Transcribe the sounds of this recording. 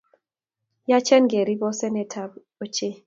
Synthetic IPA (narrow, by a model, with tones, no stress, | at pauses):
ja˦t͡ʃɛ˦nɡe˨ɾi˦bɔ˦sɛ˦nɛ˨tʰa˨b | o˨t͡ʃe˦